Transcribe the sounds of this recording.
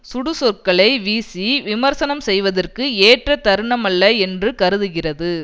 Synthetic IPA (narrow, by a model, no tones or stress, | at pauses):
sʊɽɯsɔrkɐɭɐɪʋiːsiʋɪmɐɾsɐnɐmsɛjʋɐðɐrkɯeːʈrɐt̪ɐɾɯɳɐmɐlːɐɛndrɯkɐɾɯðɯɣɪrɐðɯ